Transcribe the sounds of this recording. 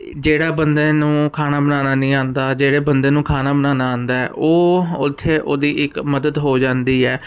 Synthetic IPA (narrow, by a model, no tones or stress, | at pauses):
d͡ʒeːɽaːbənd̪eːnũːkʰaːnaːbənaːnaːnĩːãːnd̪aːd͡ʒeːɽeːbənd̪eːnũːkʰaːnaːbənaːnaːãːnd̪aːɛ̰ːʔoːʊt̪ʰːeːʔoːd̪iːʔɪkməd̪əd̪ɦoːd͡ʒãːnd̪iːɛː